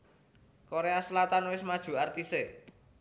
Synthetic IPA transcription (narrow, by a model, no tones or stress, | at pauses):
koɾeasəlat̪anwɪsmad̥ʒ̥ṳart̪ise